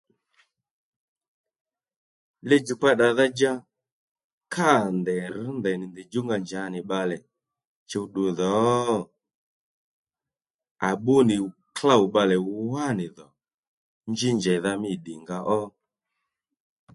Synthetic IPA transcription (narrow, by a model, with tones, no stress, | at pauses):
lɛ˦d͡ʒu˨k͡pa˦ɗa˨ða˦d͡ʒa˦ | kʰa˦˨ndɛ˨ɾi˦ndɛ˨ni˨ndi˨d͡ʒu˦ŋɡa˨ɲd͡ʒa˨˦ni˨ɓa˧lɛ˨ | t͡ʃɛ˦u˦ɗu˨ðɔ˨˦ | a˨ɓu˦ni˨kla˦˨u˨ɓa˧lɛ˨u˦wa˦˨ni˨ðɔ˨ | nd͡ʒi˦ɲd͡ʒɛ˨ða˦mi˦˨ɗi˨ŋɡa˦ʔɔ˦